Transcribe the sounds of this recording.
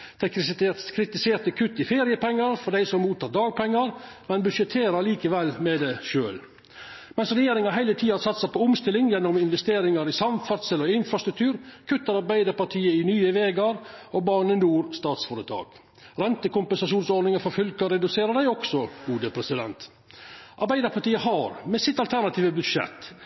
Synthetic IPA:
d̪̥ɛkʰɾɪt̪ɪseːɾt̪əkʰʉt̪ːɪfeːɾɪəpɛŋːəɾfɔɖ̪æɪsɔmmuːt̪ɑːd̪ɑːɡ̚pʰɛŋːəɾmɛnbʉʂɛt̪ʰeːɾəɾliːkəʋɛlːmɛd̪ɛʃøːl | mɛnsɾɛjeːɾɪŋɑɾɦæɪlət̪ʰiːɑɑsɑt̪ːsɛɪpʰɔʊmst̪ɪlːɪŋjɛnːɔmɪnʋɛst̪eːɾɪŋɑɾɪsɑmfæɾt̪səlɔɪnfɾɑst̪ɾʉkt̪ʰʉːɾkʰʉt̪ːəɾɑɾbæɪd̪əɾpɑʈʰiːəɪnyːəʋeːɡɑɾobɑːɳənuːɾst̪ɑːt̪sfɔːɾət̪ʰɑ̰ːk | ɾɛnt̪əkʊmpɛnsɑʃuːnsɔɾɖ̪nɪŋəfɔɾfʏlkəɾɛd̪ʉseːɾəɖæɪɔksɔɡ̥uːd̪əpʰɾɛsɪd̪ɛ̰nt̪ | ʔɑɾbæɪd̪əɾpʰɑʈiːəhɑɾmɛsɪt̪ɑlt̪ʰæɾnɑt̪ʰiːʋəbʉd̪ʂɛ̰t̪ː

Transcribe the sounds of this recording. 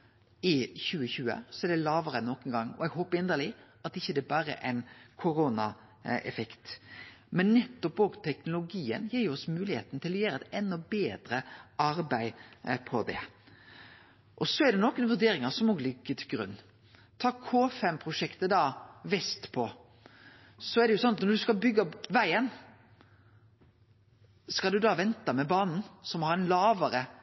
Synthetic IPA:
ɪçʉːəçʉːə̰sɔæɖ̪ɛlɑːʋəɾənɔkənɡɑŋːɔ̰ɛɡɦoːpəɪnd̪əlɪ | ɑt̪ɪçːəd̪ɛbɑːɾə̰ʔæɪnkʰʊɾoːnɑ | ɛ̰fɛkt̪ | mɛnːɛt̪ːɔpoːɡt̪ʰɛknʊlʊɡiːə̰njiːɾjʊɔsmʉːlɪheːt̪n̩t̪ɪlːɔjæːɾəɛt̪ɛnːɔbeːd̪ɾəɑɾbæɪpʰɔd̪ɛ̰ | ʔɔsɔɛɾɖ̪ɛnɔkənʋʉɾd̪eːɾɪŋəsɔmoːɡlʏɡːət̪ʰɪlɡɾʉ̰nː | t̪ʰɑːkʰoːfɛmpʰɾʊʂɛkt̪əd̪ɑːʋɛst̪pʰɔ | sɔɛɾɖ̪ɛjʊsɔnɑt̪nɔɾd̪ʉskɑlbʏɡːɑʋæɪən | skɑld̪ʉd̪ɑːʋɛnt̪ɑmɛbɑːnn̩sɔmhɑɾɛnlɑːʋəɾə

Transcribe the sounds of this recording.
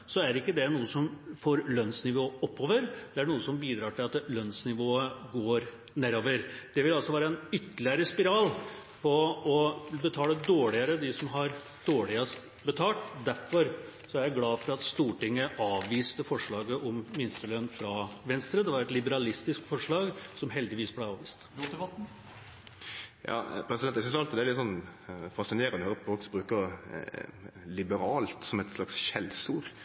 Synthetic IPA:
sɔæɾɪkːəd̪ɛnuːəsɔmfoːɾlœnsnɪʋoːɔpːoːʋəɾd̪̥ɛæɳuːəsɔmbiːd̪ɾɑːʈɪlɑt̪lœnsnɪʋoːəɡoːɾ | næːɾoːʋəɾd̪̥ɛʋɪlɑlsɔʋæːɾəɛnʏt̪ːəlɪəɾəspɪɾɑːlpʰɔɔbət̪ʰɑːləd̪oːɭɪəɾəd̪ɪsɔmɦɑɾ | d̪̥oːɭɪəst̪ | bət̪ʰɑːʈ̪d̪æɾfɔɾsɔæɾjæɪɡlɑːfɔɾɑt̪st̪uːʈɪŋːəʔɑːʋʋiːst̪əfɔʂɭɑːɡəʔɔmmɪnst̪ələnfɾɑʋɛnst̪ɾəd̪ɛʋɑɾɛt̪lɪbəɾɑlɪst̪ɪskt̪fɔʂɭɑːɡsɔmɦɛld̪ɪʋiːsblæɪɑːʋiːst̪ːt̪ɔt̪̩ː | jɑ̰ːpʰɾɛsɪd̪ɛnɛsɪsɑlt̪ɪd̪ɛːɾlɪt̪əsɔnːfɑsɪneːɾənd̪əhøːɾəpɔfɔlksbɾʉːkəɾ | lɪbəɾɑːlt̪sɔmɛt̪slɑksçɛlsuːɾ

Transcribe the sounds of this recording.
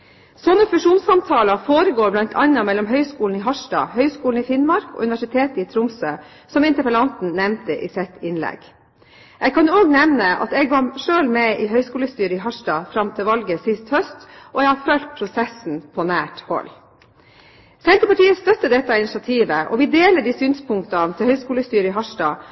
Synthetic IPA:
sɔnːəfʉʂuːnsɑmt̪ʰɑːlɑfoːɾəɡoːɾblɑnt̪ʰɑ̰ɲːɑmɛlɔmɦœʏskuːln̩ɪɦɑʂdɑ̰ːhœʏskuːn̩ɪfɪnmɑɾkɔ̰ːʉnɪʋæʂɪt̪ʰeːt̪əiːt̪ʰɾʊmsøː | sɔmɪnt̪əpəlɑnt̪n̩nɛmnt̪əʔḭːsɛt̪ɪnlɛ̰ɡ | ʔɛɡkʰɑnoːɡnɛʋnəʔɑ̰t̪ɛɡʋɑʂøːlmɛʔɪɦœʏskuːləst̪yːɾəɪɦɑʂdɑːfɾɑmt̪ʰɪlʋɑlɡəsɪst̪hœst̪ʔɔɛɡhɑɾfœlt̪̚pʰɾʊsɛsn̩pʰɔnæːʈhɔ̰lː | sɛnt̪ɾəpɑʈiːəst̪œt̪ːəd̪ɛt̪ːɑɪnɪʂɑt̪ʰiːʋəʔɔ̰ʋɪd̪eːləɖiːsyːnspʰʊŋkt̪ɑnt̪ʰɪlhœʏskuːləst̪yːɾəɪɦɑʂɖɑ̰ː

